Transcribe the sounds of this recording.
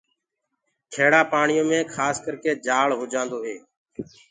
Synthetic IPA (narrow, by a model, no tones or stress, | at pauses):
kʰeːɽaːpaːɳɪjõːmẽːkʰaːskəɾkeːd͡ʒaːɭɦoːd͡ʒãːnd̪oːɦeː